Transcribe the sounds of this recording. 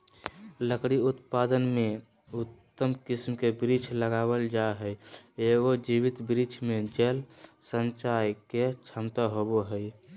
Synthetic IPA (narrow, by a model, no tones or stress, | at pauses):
ləkɽiut̪pad̪ənme | ut̪ːəmkismkebɾit͡ʃʰləɡabəld͡ʒaɦəjeɡod͡ʒiwit̪bɾit͡ʃʰmed͡ʒəlsənt͡ʃajket͡ʃʰəmt̪aɦoboɦəj